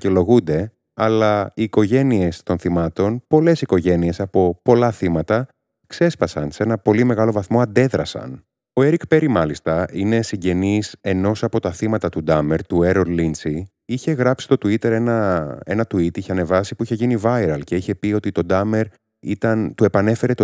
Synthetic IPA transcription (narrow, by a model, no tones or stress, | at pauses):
celo̞ɣund̪e̞ | ɐlɐiːko̞ʝe̞nie̞st̪o̞nθimɐt̪o̞npo̞le̞siko̞ʝe̞nie̞sɐpo̞po̞lɐθimɐt̪ɐ | kse̞spɐsɐnsee̞nɐpo̞lime̞ɣɐlo̞vɐθmo̞ɐnd̪e̞ðɾɐsɐ̰n | o̞e̞ɾikpe̞ɾimɐlist̪ɐine̞siɲɟe̞nise̞no̞sɐpo̞t̪ɐθimɐt̪ɐt̪ud̪ɐme̞ɾt̪ueɾoɾlinsi | içe̞ɣɾɐpsist̪o̞t̪uit̪e̞ɾe̞nɐe̞nɐt̪uit̪içe̞ɐne̞vɐsipuiçe̞ʝinivɐiɾɐlce̞içe̞pio̞t̪it̪o̞d̪ɐme̞ɾ | it̪ɐnt̪ue̞pɐne̞fe̞ɾet̪